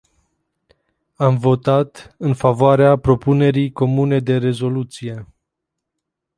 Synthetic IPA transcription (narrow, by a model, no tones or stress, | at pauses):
amvo̞t̪at̪ɨnfavoaɾeapɾo̞pune̞ɾijko̞mune̞d̪e̞ɾe̞zo̞lut̪sije̞